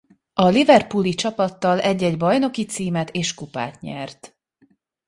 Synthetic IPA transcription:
ɒlivɛrpulit͡ʃɒpɒt̪ːɒlʔɛɟːɛɟbɒjno̞kit̪siːmɛt̪ʰeːʃkupa̰ːt̪ɲɛ̰rt̪

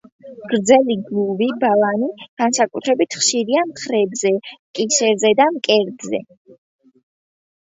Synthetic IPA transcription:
ɡ̥ɾd̪zɛliɡluvibalˠaniɡ̥ansakʼut̪ʰɾɛbit̪ʰχʃiɾiamχɾɛbzɛmkʼisɛɾzɛd̪amkʼɛɾd̪zɛ̰

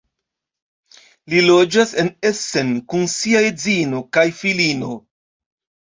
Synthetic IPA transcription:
lilo̞d͡ʒasenese̞nkunsiaed͡zino̞kajfilino̞

